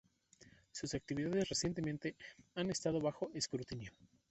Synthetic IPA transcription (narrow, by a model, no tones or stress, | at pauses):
susak̚t̪iβiðaðesresje̞nt̪e̞mẽnt̪e̞ane̞st̪að̞o̞βaxo̞ʔeskɾut̪injo̞